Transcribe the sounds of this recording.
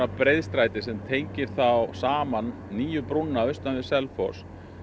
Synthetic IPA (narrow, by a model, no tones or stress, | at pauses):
apɾejðst̪ɾajt̪ɪsɛmt̪ʰejɲcɪɾ̥θawsaːmanːiːjʏpɾunːaœɥst̪anvɪsɛlfɔ̰ɾ̥s